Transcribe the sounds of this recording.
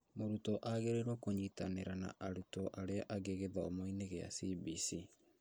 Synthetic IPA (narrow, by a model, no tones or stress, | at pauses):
moɾutɔʔaɣeɾeɾwɔkoɲitaneɾana̰ʔaɾutɔʔaɾeaʔaɣeɣeðaɔmoineɣea̰sibisi